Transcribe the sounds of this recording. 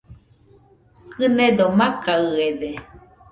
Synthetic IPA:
kɨned̪omakaɯeðe

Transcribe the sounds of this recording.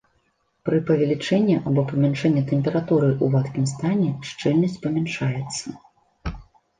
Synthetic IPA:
pɾɨpɐvʲalʲit͡ʂɛnʲːiʔabɔpɐmʲɛnʂɛnʲːɛt̪ɛmʲpʲɛɾat̪uɾɨʔuvat̪kʲimst̪anʲɛʂt͡ʂɨlʲnɐsʲt͡sʲpɐmʲɛnʂajɛt̪sːɐ

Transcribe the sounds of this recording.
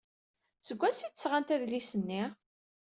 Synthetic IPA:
səɡʷːæsit̪ːə̥sʁant̪æðlisənːi

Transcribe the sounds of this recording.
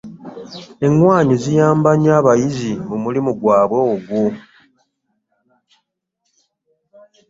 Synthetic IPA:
e̞ŋwaːɲizijaːmbaɲaːβajizimumulimuɡwaːβweːɡwo

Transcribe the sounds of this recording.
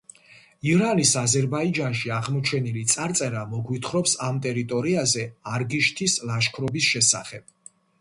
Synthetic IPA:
iɾanisazɛɾbaid͡ʒanʃiaʁmɔt͡ʃʰɛnilit̪sʼaɾt̪sʼɛɾamɔɡwit̪ʰχɾɔpsamt̪ʼɛɾit̪ʼɔɾiazɛaɾɡiʃt̪ʰislˠaʃkʰɾɔbisʃɛsa̰χɛb̥̚

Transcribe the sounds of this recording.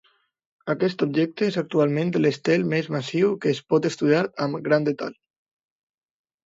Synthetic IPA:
akɛst̪ubʒɛk̚t̪əezak̚t̪ualˠmẽnd̪lest̪ɛlmezmasiwkəːspɔt̪əst̪uðjaɾəmɡɾand̪et̪a̰ʎ

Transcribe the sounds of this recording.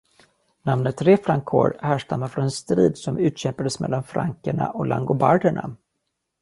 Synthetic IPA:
namnət̪ɾeːfɾaŋkʰːo̰ːɾhæːʂtamafɾɔnɛnst̪ɾiːd̪sɔmʉ̟ːt̪ɕɛmpad̪əsmɛ̰lːanfɾaŋkəɳa̰ʔɔlʔa̰ŋɡʊbaɖəɳa̰

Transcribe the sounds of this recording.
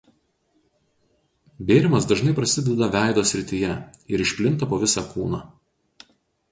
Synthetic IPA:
bʲeːɾʲɪmɐsd̪ɐʒnɐɪpɾɐsʲɪd̪ʲɛd̪ɐʋʲæˑɪd̪oːsʲɾʲɪt̪ʲɪjɛɪɾɪʃʲpʲlʲɪnt̪ɐpoːʋʲɪsɑkuːnɑː

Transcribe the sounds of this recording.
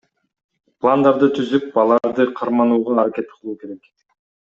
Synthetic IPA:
plˠand̪ɑɾd̪ɯt̪ʰyzyp̚bɑlˠɑɾd̪ɯqʰɑɾmɑnuːʁɑːɾakʲe̞t̪qʰɯlˠuːke̞ɾe̞k

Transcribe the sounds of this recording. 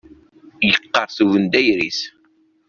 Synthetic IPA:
jəqːɑɾˤθuvənd̪æjɾis

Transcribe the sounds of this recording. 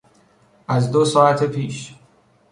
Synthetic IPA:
ʔæzd̪osɒːæt̪ʰepʰiːʃ

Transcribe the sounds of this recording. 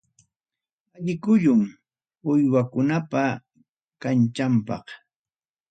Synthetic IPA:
aʎɪkʊʎʊm | ʊjwakʊnapa | kant͡ʃampɑ̰χ

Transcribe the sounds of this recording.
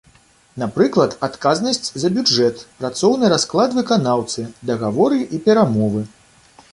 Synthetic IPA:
napɾɨklˠɐt̪at̪kaznɐsʲt͡sʲzɐbʲud͡ʐɛt̪pɾat̪sɔwnɨɾasklˠad̪vɨkanawt̪sɨd̪ɐɣavɔɾɨʔipʲɛɾamɔvɨ

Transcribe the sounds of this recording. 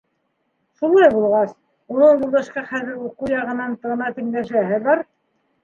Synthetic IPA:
ʃulˠɑjbulˠʁɑs | unɤɴjulˠɤ̆ʃqɑχæðɘɾuqɤwjɑʁɤ̆nɑnt̪ɤ̆ʁnɑt̪ɘ̆ŋlæʃæɦɘβɑɾ

